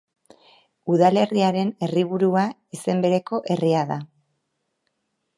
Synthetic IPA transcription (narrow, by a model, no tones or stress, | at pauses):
uðale̞riaɾe̞ne̞riβ̞uɾua | ise̞mbe̞ɾe̞ko̞ʔe̞riaða